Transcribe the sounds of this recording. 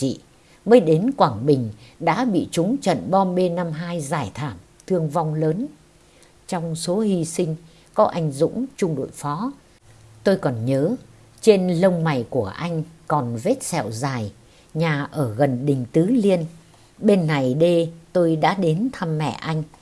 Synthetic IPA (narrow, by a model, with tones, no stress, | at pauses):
t͡ɕḭ˧˨ | məː˨˦jɗe˨˦nkwaː˧˩ŋɓï˨˩ŋ̟ɗa̰ː˧˥ɓḭ˧˨t͡ɕʊ˨˦ŋ͡mt͡ɕə̰˧˨nɓɔ˧ɓe˧nːa˧mɦaː˧jzaː˧˩jt̪ʰaː˧˩m | t̪ʰɨ˧əŋva˧wŋ͡mləː˨˦n | t͡ɕɔ˧wŋ͡mso˨˦hi˧sï˧ŋ̟ | kɔ˨˦ʔa˧jŋ̟zʊ̰˧˥ŋ͡mt͡ɕʊ˧ŋ͡mɗo̰˧˨jfɔ˨˦ | t̪o˧jkɔ˨˩nɲəː˨˦ | t͡ɕe˧nlə˧wŋ͡mma˨˩jku˧˩əʔa˧jŋ̟kɔ˨˩nve˦˥t̚sɛ̰˧˨wzaː˨˩j | ɲaː˨˩ʔəː˧˩ɣə˨˩nɗï˨˩ŋ̟t̪ɨ˨˦li˧ən | ɓe˧nːa˨˩jɗe˧t̪o˧jɗa̰ː˧˥ɗe˨˦nt̪ʰa˧mːɛ̰˧˨ʔa˧jŋ̟